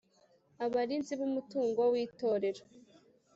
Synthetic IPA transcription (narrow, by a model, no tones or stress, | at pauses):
aβaɾinziβumutuːŋɡo̞wiːtoːɾe̞ɾo